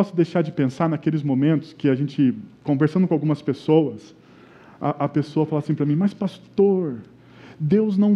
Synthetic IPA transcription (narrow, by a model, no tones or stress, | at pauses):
ɔsʊd̪ejʃaɾd͡ʒɪpẽsaɾnakelɪzmõmẽnt̪ʊ̥skɪaʒẽnt͡ʃɪkõveɾsɐ̃nd̪ʊkõawɡũmɐspesowɐs | ɐ̰ʔɐpesoɐfalasĩpɾɐmĩmɐspast̪oɾ | d̪ewznɐ̃w̃